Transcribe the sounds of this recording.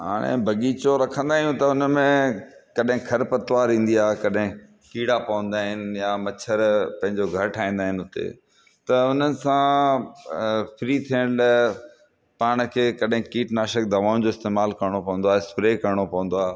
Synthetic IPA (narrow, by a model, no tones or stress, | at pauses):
ɦa̰ːɽ̃ḛ̃bʱɐɠiːt͡ɕoɾɐkʰə̃nd̪aːɦijũt̪ɐʊnmẽkɐɗɦɪ̃kʰɐɾpɐt̪ʋaːɾĩːn̆d̪iaːɦekɐɗɦɪ̃ | kiːɽapɐʋə̃nd̪aːɦɪnjamɐt͡ɕʰəɾpɐ̃ɦɪ̃ɲd͡ʑoɡʱɐɾʈʰaːĩnd̪aːɦɪnɪʊt̪ḛ | t̪ɐʊn̤ənɪ̆sã | fɪɾit̪ʰijəɽ̃l | paːɽ̃kʰeːkɐɗɦɪ̃kiːʈnaːʃək̚d̪ɐʋaːʊ̃d͡ʑoːɪst̪eːmaːlkɐɾɽ̃opɐ̃ʋə̃nd̪oaːɦɪspɾeːkɐɾɽ̃opɐʋə̃n̆d̪oaː